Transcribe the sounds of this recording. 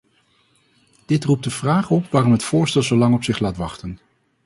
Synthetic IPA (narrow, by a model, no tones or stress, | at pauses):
d̥ɪtrup̚dəvraːχɔpʋaːrɔmɦətfʊːɹstɛlˠzowlɑŋɔpsɪχlaːtʋɑχtən